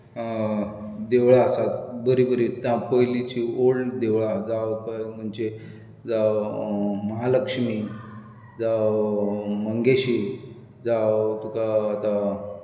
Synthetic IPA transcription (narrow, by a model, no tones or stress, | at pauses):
d̪eʋɭasat̪̚bəɾibəɾit̪jãpəjlit͡ɕioɭd̪eʋɭad͡zawkajm̤əɳd͡ʑe | d͡za | məɦaləkʂmi | d͡za | məŋɡeɕi | d͡zawt̪ukaːt̪a